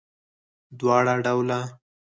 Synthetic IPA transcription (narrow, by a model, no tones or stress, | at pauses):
d̪wɑɽaɖawla